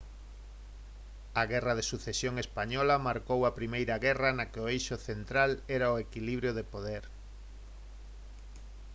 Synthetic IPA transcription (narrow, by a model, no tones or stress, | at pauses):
ɐɣɛrɐðesuθesjoŋespaɲɔlɐmaɾkowɐpɾimejɾɐɣɛrɐnɐkeoejʃoθent̪ɾalɛɾaoekiliβɾjoðepoðɛɾ